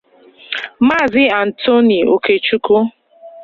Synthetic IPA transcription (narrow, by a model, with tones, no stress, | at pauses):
ma˦˨zɪ˦a˨n̩˨to˦ni˨o˨ke˨t͡ʃu˦ko˦